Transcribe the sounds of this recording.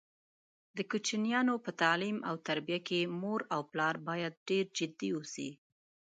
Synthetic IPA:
d̪əkut͡ʃinijɑnopət̪ɑlimawt̪aɾbijakemoɾawplɑɾbɑjad̪̚ɖeɾd͡ʒɪd̪iusḭ

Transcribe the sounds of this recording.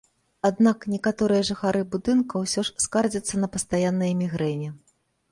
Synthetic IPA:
ad̪naknʲɛkat̪ɔɾɨjɐʐɨxaɾɨbud̪ɨnkɐwsʲɔʂskard͡zʲɐt̪sːɐnɐpɐst̪ajanːɨjɐmʲiɣɾɛnʲi

